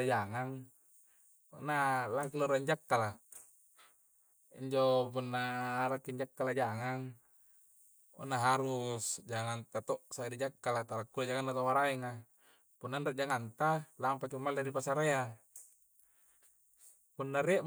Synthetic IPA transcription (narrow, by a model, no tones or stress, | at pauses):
d͡ʒaŋaŋ | ṵnalakiloɾaiɲd͡ʒakːala | ḭɲd͡ʒopunːaɾakːiɲd͡ʒakːalad͡ʒaŋaŋ | ṵnaɦaɾusd͡ʒaŋant̪at̪ɔʔsaidid͡ʒakːalat̪aɾakːulad͡ʒaŋanːat̪awaɾaiŋa | punːandaʔd͡ʒaŋant̪alampat͡ʃumːalaɾipasaɾea | punːaɾiaʔ